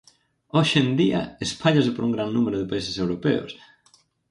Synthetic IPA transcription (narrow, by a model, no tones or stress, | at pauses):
oʃend̪iɐ̰espʰaʎasɪpoɾʔuŋɡɾannumeɾʊðɪpaisesewɾopɛ̰o̰s